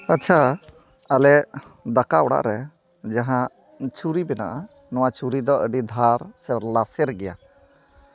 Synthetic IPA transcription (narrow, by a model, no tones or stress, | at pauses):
atːt͡ʃʰa | alɛd̪akaɔɽa̰ʔɾɛ | d͡ʒaɦã | t͡ʃʰuɾibɛna̰ʔa | nɔw̃at͡ʃuɾid̪ɔʔəɖid̪ʱaɾsɛɾlasɛɾɡɛja̰